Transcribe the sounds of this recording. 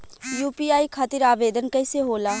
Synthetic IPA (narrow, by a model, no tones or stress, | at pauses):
juːpiaːikʰaːt̪iɾaːbed̪ənkəɪseɦoːlaː